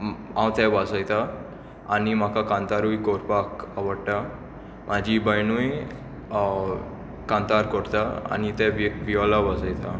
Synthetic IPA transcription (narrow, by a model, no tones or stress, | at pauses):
ɦãwt̪ɛ̃ʋasajt̪a | animakakãnt̪aɾujkɔɾpakaʋəɽʈa | m̤ad͡ʑibəjnuj | kãnt̪aɾkɔɽt̪aa̰nit̪ɛ̃ʋʋiɔlaʋasajt̪a